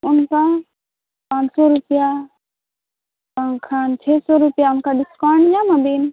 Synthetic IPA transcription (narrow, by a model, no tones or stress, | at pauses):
ʊnkã | pãːnsoɾupja | pãŋkʰaːnt͡ʃʰeːsoɾupjaʊnkaɖɪskaːɳɖjamabiːn